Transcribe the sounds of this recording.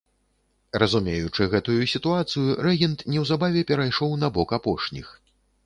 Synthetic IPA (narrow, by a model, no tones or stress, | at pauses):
rɐzumʲejut͡ʂɨɣɛt̪ujusʲit̪uat̪sɨjuɾɛɣʲint̪nʲɛwzabavʲɛpʲɛɾajʂɔwnɐbɔkapɔʂnʲix